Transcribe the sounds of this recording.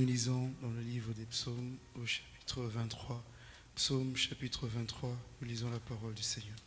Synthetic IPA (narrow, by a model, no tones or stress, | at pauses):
lizɑ̃d̪ɑ̃ləlivʁəd̪epsomoʃḁppi̥t̪χəvɛ̃t̪ːχwa | psomʃapit̪χəvɛ̃t̪ːχwanulizɑ̃lapaʁɔld̪ysɛɲœː